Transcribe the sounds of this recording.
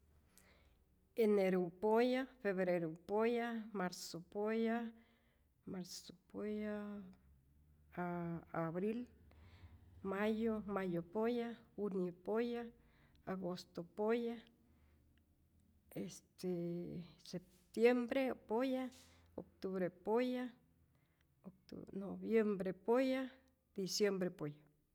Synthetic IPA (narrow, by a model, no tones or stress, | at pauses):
eneɾupojafeβɾeɾupojamaɾsopoja | maɾsopoja | βɾil | majomajopojaunopoja | aɡost̪opoja | est̪e | sep̚ | t̪jembɾepoja | ok̚t̪uβɾepoja | okt̪noβjembɾepoja | d̪̥isjembɾepoja